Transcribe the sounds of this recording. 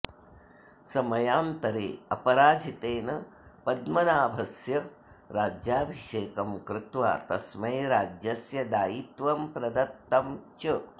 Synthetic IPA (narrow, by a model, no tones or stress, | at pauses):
sɐmɐjaːnt̪ɐɾḛːɐpɐɾaːd͡ʒʱit̪eːnɐpɐd̪mɐnaːbʱɐsjɐ | ɾaːd͡ʒjaːbʱiʂeːkɐmkɾɪt̪ʋa̰ːt̪ɐsmɐjɾaːd͡ʒjɐsjɐd̪aːjit̪ʋɐmpɾɐd̪ɐt̪ːɐmt͡ʃɐ